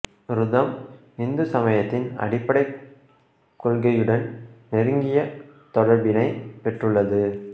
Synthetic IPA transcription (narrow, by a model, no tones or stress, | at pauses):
ɾʊðɐm | ɪnd̪ɯsɐmɐjɐt̪ːɪnɐ̰ɽɪpːɐɽɐɪ | kːɔɭɣɐjɯɽɐnnɛɾɯŋɡɪjɐt̪ɔɽɐɾbɪnɐɪpɛʈrɯɭːɐðɯ